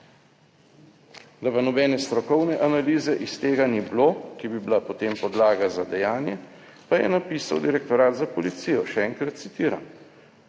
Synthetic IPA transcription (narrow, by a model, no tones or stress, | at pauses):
d̪apanɔbɛːnɛst̪ɾɔkɔwnɛʔanaliːzɛʔist̪eːɡaniblokibibilapot̪eːmpɔd̪laːɡazad̪ɛjaːnjɛ | pajɛ̰napiːsawd̪iɾɛk̚t̪ɔɾaːd̪zapɔlit̪sijɔʃɛɛːŋkɾat̪̚t̪sit̪iːɾa̰m